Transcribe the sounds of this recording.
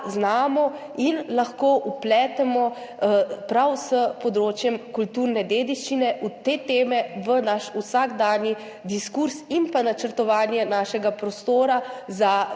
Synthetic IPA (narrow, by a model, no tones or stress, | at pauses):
znaːmɔ | inlaxkoːʔuplɛːt̪ɛmɔ | pɾawsəpɔd̪ɾoːt͡ʃjɛmkult̪uːɾnɛd̪eːd̪iʃt͡ʃinɛʔut̪eːt̪eːmɛʋənaʃusaɡd̪aːnji | d̪iskuɾsimpanat͡ʃəɾt̪ɔʋaːnjɛnaːʃɛɡapɾɔst̪oːɾaza